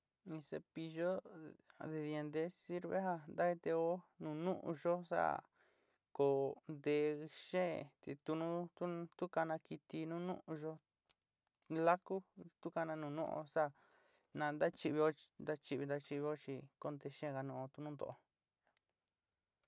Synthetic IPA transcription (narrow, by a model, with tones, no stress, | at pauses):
nĩ˧sḛ˧pi˧ʒo˦ | ðe˧ði˧e˧nd̪e˧˦si˦ɾβḛ˦ɦa˧nd̪a˦i˧t̪e˧o˦nũ˧nũ˦ʔũ˧ʒo˦sa̰˦ | ko˨nd̪e˧ʃẽ˦˨t̪e˧t̪u˧nũ˦t̪u˦t̪u˦ka˧nã˧ki˧t̪i˧nũ˦nũ˦ʔũ˧ʒo˧ | la˦ku˦t̪u˦ka˧nã˧nũː˧nṵ̃˦ʔo̰˧sa˦ | nã˧nd̪a˦t͡ʃi˧βi˧o˦nd̪a˦t͡ʃi˧βi˧nd̪a˧t͡ʃi˧βi˧o˦t͡ʃi˧ko˧nd̪e˧ʃẽ˦˨ɣa˧nũ˧o˧t̪u˧nũ˦nd̪o̰˧ʔo˧